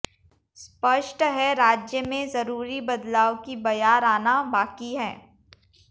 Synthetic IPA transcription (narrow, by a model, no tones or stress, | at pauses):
spɐʃʈɦɛɾaːd͡ʒjəmẽzɐɾuːɾibɐd̪laːʊkibɐjaːɾaːnabaːkiɦɛː